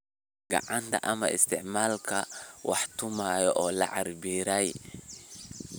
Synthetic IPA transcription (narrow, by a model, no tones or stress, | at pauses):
ɡɐ̰ʕant̪ʰɐ̰ʔɐmɐ̰ʔɪ̰st̪ʰɪʕmaːlkʰɐwɑħt̪ʊmaːjɔʔɔːlɐ̰ʕa̰rbiːɾɐj